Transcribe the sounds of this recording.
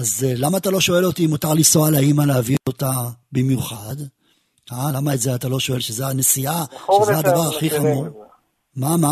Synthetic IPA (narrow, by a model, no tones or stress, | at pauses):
azlamaːt̪alo̞ʃo̞e̞lo̞timutaʁlisoalaimaleaviotabimjuχad̪ | alamaetzeatalo̞ʃo̞e̞lʃezeanesiaʃezead̪avaʁaχiχamuʁ | mama